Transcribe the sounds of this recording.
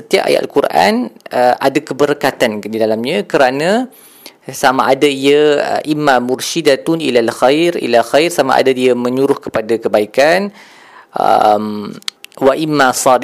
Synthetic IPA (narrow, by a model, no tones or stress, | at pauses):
sət̪iapa̰ja̰a̰lkuɾʔa̰nəʔadakəbəɾəkat̪andidalamɲãkəɾanã | samaʔadaia̰ʔimːamʊɾʃidat̪ʊnḭlalxajɾḭlaxajrsama̰ʔa̰dadiamə̃ɲuɾʊhkə̥padakəbaikan | ʔə̰m | waʔimːasɑd